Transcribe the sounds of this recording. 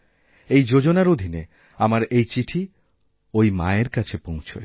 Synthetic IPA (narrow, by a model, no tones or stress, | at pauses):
ejd͡ʑod͡ʑonaɾod̪ʱine | amaɾejt͡ɕiʈʰi | ojma̰eɾkat͡ɕʰepõw̃t͡ɕʰo